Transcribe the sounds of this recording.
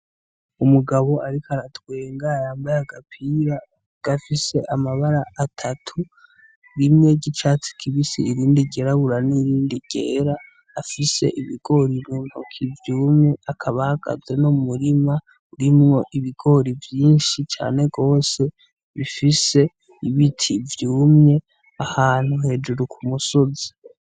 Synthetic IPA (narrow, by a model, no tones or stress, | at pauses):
umuɡaβo̞ʔaɾikʰaɾatweːŋɡajaːmbajaɡapʰiɾa | ɡ̥afise̞ʔamaβaɾaʔatʰatʰu | ɾimŋe̞ːɟit͡ʃaːt͡si̥kʰiβisiiɾiːndiɟe̞ːɾaβuɾaniɾiːndiɟ̥ḛːɾaː | fise̞̰ʔiβiɡ̥o̞ɾimuːn̥ho̰kʰivjuːmɲe̞akʰaβahaɡ̥a̰zwe̞nomuɾima | uɾimŋo̞ʔiβiɡo̞ɾivjiːnʃit͡ʃa̰ːne̞ɡo̞ːse̞ | βifise̞ | iβitʰivjuːmɲe̞ | ahaːn̥huhe̞ːd͡ʒuɾukʰumuso̞zi̥